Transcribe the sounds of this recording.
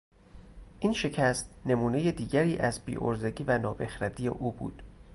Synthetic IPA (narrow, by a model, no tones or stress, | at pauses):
ʔiːnʃe̞cʰæst̪ne̞muːne̞jed̪iːɟæɾiːʔæzbḭːʔo̰ɾzeɟiːvænɒːbexɾæd̪iːjḛʔuːbṵːd̪̥